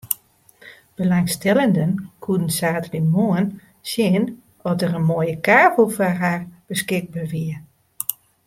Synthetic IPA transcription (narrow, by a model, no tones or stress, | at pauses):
b̥əlaŋstɛləndənkʰuədən̩saːtlimoən | sjɪən | ɔtərənmoəjəkaːbəlˠfɔrɦaːrb̥əskɪk̚baʋiə